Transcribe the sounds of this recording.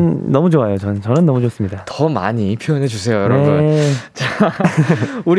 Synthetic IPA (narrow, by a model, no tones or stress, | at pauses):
nnʌmud͡ʑoajot͡ɕʌnt͡ɕʌnɯnːʌmud͡ʑos͈ɯmɲidatʌma̰ɲipʰjojʌnɦe̞d͡ʑusʰe̞jojʌnɾʌebunt͡ɕa | uɾ